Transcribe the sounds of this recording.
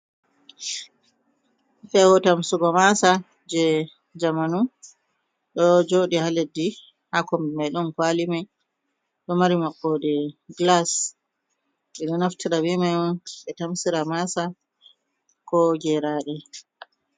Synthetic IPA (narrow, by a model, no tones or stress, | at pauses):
fɛwɔtamsuɡɔmasa | d͡ʒɛ | d͡ʒamanu | ɗɔd͡ʒoɗihaledːi | hakɔmɛmajɗɔnkwalima | ɗɔmaɾimaɓːɔdɛɡlas | ɓɛɗɔnaftʰiɾawimajɔɓɛtamsiɾamasa | kɔɡɛɾaɗɛ